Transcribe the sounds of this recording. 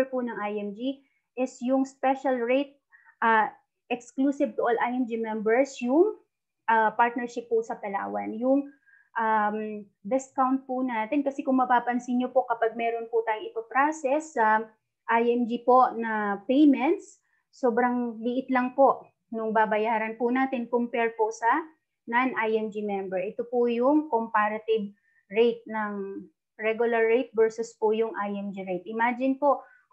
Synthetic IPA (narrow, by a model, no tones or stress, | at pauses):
ɹpʊnɐŋʔajɛmd͡ʒi | ʔɪsjʊŋspɛʃɐlɹejt̪̚ | ʔɐ | ʔɛksklusɪv̚t̪ʊʔolʔajɛmd͡ʒimɛmbɛɹsjʊŋ | ʔapaɹt̪nɛɹʃɪpːʊsɐpɐla̰ːwɐnjʊŋ | ʔam | d̪ɪskawnt̪̚pʊnaːt̪ɛnkɐsɛkʊŋmɐpaːpɐnsɪnɲopo̞ʔkɐpaɡ̚mɛːɾonpʊt̪aːjʊŋʔɪpɐpɾasɛsːɐ | ʔajɛmd͡ʒipo̞ʔnɐpɛjmɛnt̪sː | oːbɾɐŋlɪʔɪt̪lɐŋpo̞ʔ | nʊŋbaːbɐjaːɾɐnpʊnaːt̪ɪnkʊmpɛɹposɐ | nanʔajɛmd͡ʒimɛmbɛɹʔɛt̪opʊjʊŋkompaːɾɐt̪ɪb̚ | ɹejt̪̚nɐŋ | ɹɛɡʊlɐɹːɛjt̪̚vɛɹsʊspʊjʊŋʔajɛmd͡ʒiɹejt̪̚ʔɪmaːd͡ʒɪnpo̞ʔ